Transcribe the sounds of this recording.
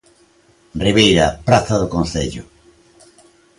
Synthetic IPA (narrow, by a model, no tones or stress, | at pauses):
riβejɾapɾaθaðokõn̟θḛʎʊ